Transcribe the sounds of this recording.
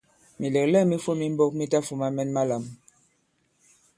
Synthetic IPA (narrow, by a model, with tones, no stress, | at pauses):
mi˨le˨klɛ˦˨mi˦fo˦mi˦m̩˦bo˦k̚mi˦ta˦fu˨ma˦mɛ˦nma˦la˨m